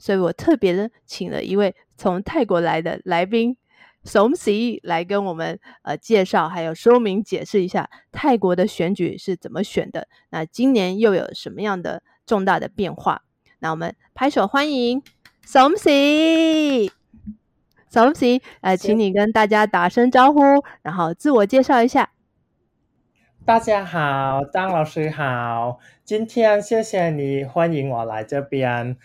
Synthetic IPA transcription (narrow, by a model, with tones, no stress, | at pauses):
swɔ˧˥i˧˥wɔ˨˩t̪ʰɤ˥˩pjɛ˧˥d̪ə˧t͡ɕʰi˨˩ŋlə̰˦ʔḭ˧˥we˥˩ɪ | t͡sʰʊ˧˥ŋt̪ʰa˥˩ɪkwɔ˧˥la˧˥ɪd̪ə̰˧la˧˥ɪp̬i˥ŋ | sʊ˧˥ŋsi˧˥la˧˥ɪk̬ə˥nwɔ˨˩mə˦nə̰˧t͡ɕjɛ˥˧ʂɑ˥˩ʊxa˧˥ɪjo˨˩ʊʂo˥mi˧˥ŋt͡ɕjɛ˨˩ʂɻ̩˥˩i˧˥ɕja̰˥˩t̪ʰa˥˩ɪkwɔ˧˥d̪ə˧ɕɥɛ˧˥nt͡ɕy̰˨˩ʂɻ̩˥˩t͡sə˨˩nmə˦ɕɥɛ̰˨˩nd̪ə̰˦ | na˥˩t͡ɕi˥nnjɛ˧˥njo˥˩ʊjo̰˨˩ʊʂə˧˥nmə˧jɑ˥˩ŋd̪ə̰˩ | ʈ͡ʂʊ˥˧ŋt̪a˥˩d̪ə̰˩pjɛ˥˧nxwa̰˥˩ | na˥˩wɔ˨˩mə̰˧˦npʰa˧˥ɪʂo˨˩ʊxwa˥ni˧˥ŋ | so˨˧˥ŋsi˧˥ | so˧˥msi˧˥ə˧t͡ɕʰi˧˥ŋni˨˩kə˥nt̪a˥˩t͡ɕja˥t̪a˨˩ʂə˥ŋʈ͡ʂɑ˥ʊxu˥ɻa˧˥nxo˥˧ʊt͡sɹ̩˥˩wɔ˨˩t͡ɕjɛ˥˧ʂɑ˥˩ʊi˧˥ɕja˥˩ | t̪a˥˩t͡ɕja˥xɑ˨˩ʊt̪ɑ˥ŋlɑ˨˩ʊʂɻ̩˥xɑ˨˩ʊ | t͡ɕi˥nt̪ʰjɛ˥nɕjɛ˥˧ɕjɛ˨˩ni˨˩˦xwa˥ni˧˥ŋwɔ˨˩la̰˧˦ɪʈ͡ʂɤ˥˩pjɛ˥n